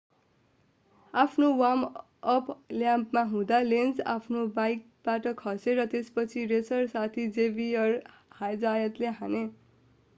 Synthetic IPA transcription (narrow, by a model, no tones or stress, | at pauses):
apʰnowam | ʌpʰljãmpmaɦũd̪alend͡za̰pʰnobajk̚ | baʈʌkʰʌseɾʌt̪espʌt͡sʰiresʌrsat̪ʰid͡zebiʌr | hajd͡zajʌt̪leɦane